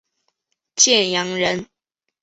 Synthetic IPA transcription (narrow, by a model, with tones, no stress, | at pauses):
t͡ɕjɛ˥˨njɑ˧˥ŋɻə˧˦n